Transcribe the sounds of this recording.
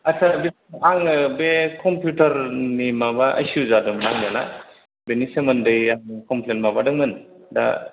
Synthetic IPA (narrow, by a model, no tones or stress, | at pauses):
asabisaŋbekʰɔmpʰjutɐɾnimabaʔa̰suzadɔmnaŋljana̰ | benisemɯndɯjaŋkɔmpʰlenmabadɯŋmɯnda̰